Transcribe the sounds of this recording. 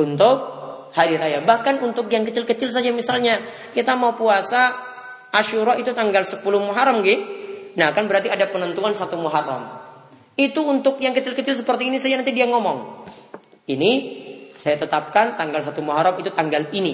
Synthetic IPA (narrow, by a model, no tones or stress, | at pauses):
t̪unt̪ʊk̚ | haɾiɾajabahkanunt̪ʊkjaŋkət͡ʃɪlkət͡ʃɪls̬ad͡ʒamisalɲa | kit̪amaupuasa | ʔaʃuɾait̪ut̪aŋɡalsəpulʊhmuɦaɾamɡɪnaakanbəɾart̪iadapənənt̪uansat̪umoɦaɾa̰m | it̪uːnt̪ʊkjaŋkət͡ʃɪlkət͡ʃɪls̬əpərt̪iːnisad͡ʒanant̪idiaŋɔmɔŋ | inisajat̪ət̪ap̚kant̪aŋɡals̬at̪umoɦaɾamit̪ut̪aŋɡalini